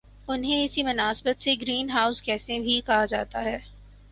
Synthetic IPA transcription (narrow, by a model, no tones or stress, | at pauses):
ʊnɦẽɪsimʊnaːsbət̪seɡɾiːnɦaːʊskɛːsẽbʱikɐɦad͡ʒaːt̪aɦɛː